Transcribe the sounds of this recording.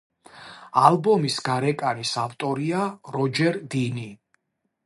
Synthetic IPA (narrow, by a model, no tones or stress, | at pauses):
albɔmisɡaɾɛkʼanisaft̪ʼɔɾiaɾɔd͡ʒɛɾd̪ini